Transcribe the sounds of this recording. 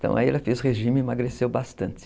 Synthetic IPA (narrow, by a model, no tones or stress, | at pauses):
t̪ɐ̰̃w̃a̰iɛ̰lɐfezʊheʒĩmɪmaɡɾesewbast̪ɐ̃nt̪ɪ̥